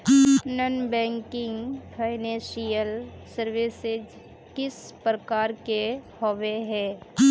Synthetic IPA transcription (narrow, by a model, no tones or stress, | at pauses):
nənbɛ̃ːŋkɪ̃ŋɡfʰaːɪnẽːʃijəl | səɾʋɪsɪd͡ʒ | kɪspɾəkaːɾkehoʋeɦɛː